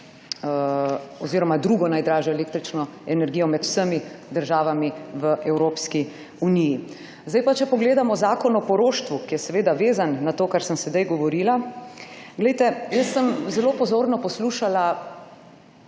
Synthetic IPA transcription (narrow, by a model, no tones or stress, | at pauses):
ɔziːɾɔmad̪ɾuɡɔnajd̪ɾaːʒɛelek̚t̪ɾit͡ʃnɔɛnɛɾɡiːjɔmɛt̪u̥səmid̪əɾʒaːʋamiʋəʔɛwɾoːpski | uniji | zd̪ajpat͡ʃɛpɔɡleːd̪amɔzaːkɔnɔpɔɾoːʃt̪ʋukijɛsɛʋeːd̪aʋeːzanːat̪oːkaɾsəmsɛd̪ajɡɔʋɔɾiːla | ɡlɛjt̪ɛjəsːəmzɛloːpɔzoːɾnɔpɔsluːʃala